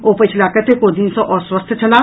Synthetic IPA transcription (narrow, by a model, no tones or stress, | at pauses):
oːpət͡ʃʰlaːkət̪ʰekoːd̪insõʔɔːɾswəst̪ʰt͡ʃɐlaː